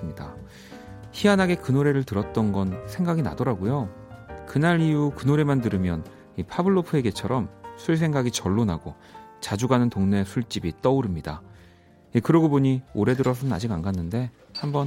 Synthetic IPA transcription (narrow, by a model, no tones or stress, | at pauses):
sɯmɲida | çianɦaɡe̞kɯnoɾe̞ɾɯɭtɯɾʌt̚t͈ʌnɡʌnsʰe̞ŋɡaɡina̰dʌɾaɡojo | kɯnaɾijukɯnoɾe̞mandɯɾɯmjʌn | ipʰabɯɭːopʰɯe̞ɡe̞t͡ɕʰʌɾʌmsʰuɭs̬ʰeŋɡaɡit͡ɕʌɭːonaɡo | t͡ɕad͡ʑuɡanɯntoŋne̞sʰuɭt͡ɕ͈ibit͈ʌuɾɯmɲida | ikɯɾʌɡoboɲioɾe̞dɯɾʌs̬ʰʌnɯna̰d͡ʑiɡaŋɡanːɯnde̞ | hambʌn